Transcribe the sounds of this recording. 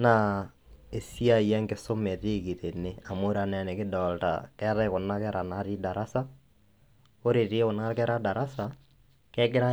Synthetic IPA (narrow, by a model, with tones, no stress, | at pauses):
na˨ | e˨si˦a˦˨jɛ˦ŋɡe˨so˦mɛ˨ɾe˦˨ki˨ɾe˨ne˦a˨mo˦ɾa˨nɛ˨a˨ne˨ke˦dɔ˨lta̰kɛ˦ɾa˦ɣo˨na˦kɛ˦ɾʔa˨na˦ɾi˦da˨ɾa˦sa˦ | o˦ɾe˨ɾe˦o˨na˦ɾkɛ˦ɾa˦da˨ɾa˦sa˨ | kɛ˦ɡɪ˦ɾa˦